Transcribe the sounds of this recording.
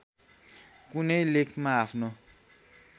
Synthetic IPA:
kunelekmãafʰno

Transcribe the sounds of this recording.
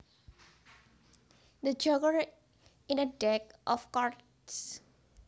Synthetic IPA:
d̪əd͡ʒɔɡəɹ | ĩnədɛkʔɔfkɔɹt | s

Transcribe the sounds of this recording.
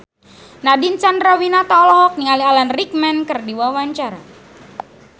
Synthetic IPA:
nadint͡ʃanrawinat̪alɔɦɔk̚niŋalialanrik̚mɛnkərdiwawaɲt͡ʃaɾa

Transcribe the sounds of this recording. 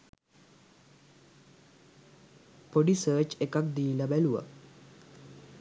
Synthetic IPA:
poɖisəːt͡ʃekak̚d̪iːlabæluʋa̰

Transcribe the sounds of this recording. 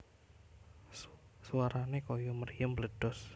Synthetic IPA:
suwaɾanekojɔməɾijəmbləɖ̥ɔs

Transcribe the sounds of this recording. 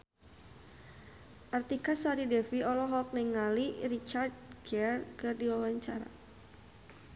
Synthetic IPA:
ʔart̪ikasaɾidɛfiɔlɔɦɔk̚nɛŋːalirit͡ʃardɡɛrkɨrdiwawaɲt͡ʃaɾa̰

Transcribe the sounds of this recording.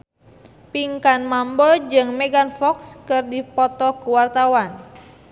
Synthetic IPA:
piŋkanmambɔd͡ʒɨŋmɛɡanfɔkskɨrdipɔt̪ɔkuwart̪awan

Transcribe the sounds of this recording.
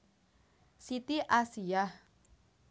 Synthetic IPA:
sit̪iʔasiah

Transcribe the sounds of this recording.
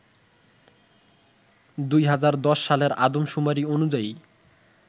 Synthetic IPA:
d̪ujɦad͡ʑaɾd̪ɔʃːaleɾad̪omʃumaɾionud͡ʑai

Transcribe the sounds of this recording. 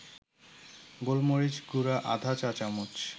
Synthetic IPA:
ɡolmoɾid͡ʑɡuɾaʔa̰d̪ʱat͡ɕat͡ɕamut͡ɕ

